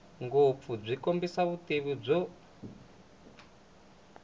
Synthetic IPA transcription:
ŋɡop̪fub͡ʐʷikombisaβuteβib͡ʐɔ

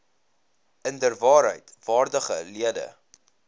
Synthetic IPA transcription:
əndərvɑːɾɦə̰jtv̥ɑːrdəχəliədə̰

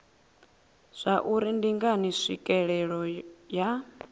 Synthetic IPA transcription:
z̥ʷaʔuɾindiŋɡaniʂikʼɛɺɛɺɔja

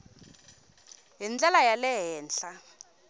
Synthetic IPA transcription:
ɦind͡ɮɛlajalɛɦɛːnɬa

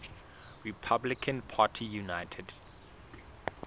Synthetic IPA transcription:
ɹipʰablɪkʰə̃npʰaːtʰijunaɪtʰɛd

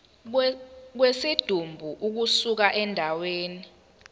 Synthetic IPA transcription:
k̬wesid̥ʱumbʱuʔuk̬usuk̬aʔɛndʱaweːni

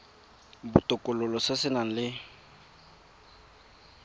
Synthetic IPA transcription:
bʊ̰tʼʊkʼʊlʊlɔsɪsɪnaŋ̩lɪ

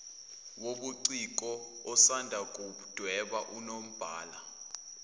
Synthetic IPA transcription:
woɓuǀik̬ʼɔ | ɔsandʱakʼu | d̥ʱwɛɓaʔunom̩b̥ʱaːla̰

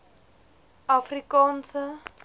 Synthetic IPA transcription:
afrikãːnsə

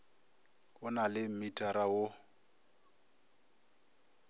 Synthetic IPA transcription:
ʊnalɪm̩mitʼaɾaʊ

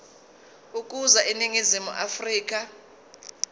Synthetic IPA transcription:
uk̬ʼuzaʔiniŋizimṵʔafriːk̬ʼa

